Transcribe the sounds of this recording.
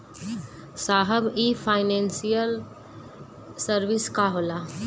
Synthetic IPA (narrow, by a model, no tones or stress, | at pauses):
saːɦəbifʰaːɪnẽːnsijəl | səɾʋɪskaɦoːla